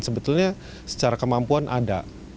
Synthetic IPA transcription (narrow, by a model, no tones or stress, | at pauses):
nsəbət̪ʊlɲa | sə̥t͡ʃaɾakəmampuanʔa̰da̰